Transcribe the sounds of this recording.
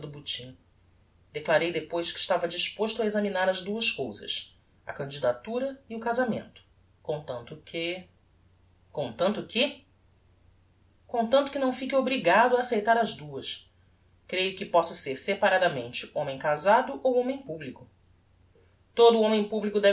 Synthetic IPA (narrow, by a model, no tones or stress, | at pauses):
d̪ʊbut͡ʃĩ | d̪eklaɾejd̪epojʃkɪ̥ʃt̪avɐd͡ʒiʃpoʃt̪ʊɐezɐminaɾɐzd̪uɐskowzɐ̰s | ɐ̰kɐ̃nd͡ʒid̪at̪uɾɐiʊkazamḛ̃nt̪ʊ̥ | kõt̪ɐ̃nt̪ʊkɪ | kõt̪ɐ̃nt̪ʊkʰɪ | kõt̪ɐ̃nt̪ʊ̥kɪnɐ̃w̃fikɪobɾiɡad̪ʊaːsejt̪aɾɐzd̪uɐʃ | kɾejʊkɪpɔsʊseɾsepaɾad̪ɐmẽnt͡ʃɪõmẽj̃kazad̪ʊʔowõmẽj̃publikʊ | t̪od̪ʊõmẽj̃publikʊd̪ɛ